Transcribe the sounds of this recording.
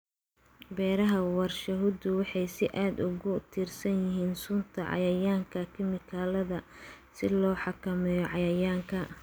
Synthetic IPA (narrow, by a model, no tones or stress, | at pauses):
bɛːɾɐɦɐwɑrʃɐɦʊd̪ʊwɑħɑjsɪʔaːd̪ʊɣʊt̪ʰiːrsɐnjɪɦiːnsuːnt̪ʰɐʕɑ̰jɐjaːŋkʰɐkʰɪmɪkʰaːlɐðɐ | sɪlɔːħɑkʰɐmɛjɔʕɑjɐjaːŋkʰɐ